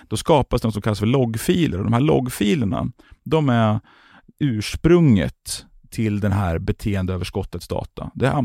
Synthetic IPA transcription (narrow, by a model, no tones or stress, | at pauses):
d̪̥ɔskɑːpasd̪ɛnɔsɔmkʰalːasfœəɭɔɡːfiːləɾɔd̪ɔmhæːɭɔ̰ɡːfiːləɳa̰ | d̪ɔmæ | ʉ̟ːʂpɾɵŋːə̰t̪ʰː | ɪld̪ɛnɦæːɾbɛt̪ʰeːənd̪əøːvəʂkɔt̪ːət̪sd̪ɑ̰ːt̪ʰa̰d̪ɛa̰